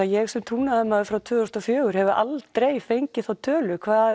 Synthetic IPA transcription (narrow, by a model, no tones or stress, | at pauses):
ajɛɣsɛmt̪ʰuːnaðɪmaðʏfɾawt̪ʰʏːɔst̪ɔfjœːɣʏɾ̥hɛvʏʔalt̪ɾejfejɲcɪθawt̪ʰœːlʏkʰvaː